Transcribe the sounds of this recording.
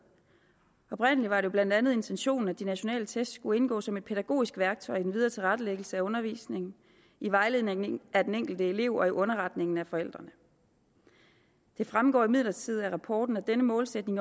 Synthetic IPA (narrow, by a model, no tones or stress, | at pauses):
ɒ̽b̥ʁen̰əlid̥ʋɑ̈ɾe̝jo̝b̥læn̰d̥ænð̞̩ˠe̝nt͡sʰenɕo̝̰ːn̩æd̥inæɕo̝nɛ̰ːlət͡sʰesd̥sɡ̥ue̝nɡ̥ɔ̰ːsɒ̽me̝d̥̚pʰe̝d̥æɡ̥o̝̰ːisɡ̥ʋæɐɡ̥̚t͡sʰɒ̽ɪid̥en̩ʋið̞ˠɐːt͡sʰe̝lʁäd̥əleɡ̥l̩səæɔ̽nɐʋḭːsne̝ŋn̩ | iʋɑ̈ɪle̝ð̰ˠneŋŋæd̥eneŋ̰ɡ̥l̩d̥əe̝le̝̰ʊ̰ɒ̽iʔɔ̽nɐʁɑ̈d̥ne̝ŋn̩æfɒ̽el̰d̥ʁɐnə | d̥e̝fʁamɡ̥ɒ̰ːimið̰ˠlɐt͡sʰið̞̩ˠæʁɑ̈pʰɒ̰ːd̥n̩ɒd̥enəmɔ̽ːlsed̥ne̝ŋ